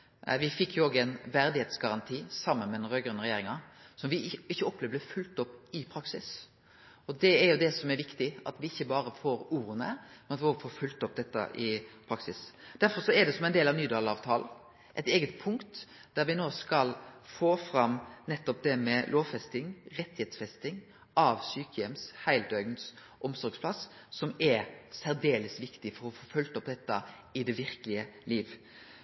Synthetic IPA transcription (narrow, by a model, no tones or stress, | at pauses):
ʋɪfɪkʰːjʊoːɡæɪnʋæɾd̪ɪheːt̪sɡɑɾɑnt̪ʰiːsɑmːənmɛd̪ɛnɾøːɡɾʉnəɾɛjeːɾɪŋɑsɔmʋɪɪçːəɔpːlɛːʋəlɛfʉlt̪ɔpːɪpʰɾɑksɪs | ɔd̪ɛːɾjʊd̪ɛsɔmɛɾʋɪkt̪ɪɑ̰t̪ʋɪɪçːəbɑːɾəfoːɾuːɾənə̰mɛnɑt̪ʋɪoɡəfoːɾfʉlt̪ɔp̚ːd̪ɛt̪ːə̰ʔɪpʰɾɑksɪsd̪̥æɾfɔɾsɔɛd̪ɛsɔmɛɪnd̪eːlɑʋnyːd̪ɑːlɑːʋt̪ʰɑːln̩ | ʔɛɪt̪eːɡət̪̚pʰʊŋkt̪ | d̪̥æɾʋɪnoːskɑlfoːfɾɑmːnɛt̪ːɔp̚d̪ɛmɛlʔoːʋfɛst̪ɪŋɾɛt̪ːɪheːt̪sfɛst̪ɪŋ | ʔɑʋsyːkəjɛmshæɪld̪œʏɡns | ʔɔmsɔɾɡspʰlɑs | sɔmɛɾsæɾd̪eːləsʋɪkt̪ɪfɔɾɔfoːfʉlt̪ɔpd̪ɛt̪ːə | ɪd̪ɛʋɪɾkəlɪəliːʋ